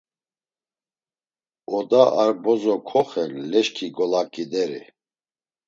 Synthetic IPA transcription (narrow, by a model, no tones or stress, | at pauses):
ɔd̪aʔaɾbɔzɔkʰɔχɛnlɛʃkʰiɡɔlakʼid̪ɛɾḭ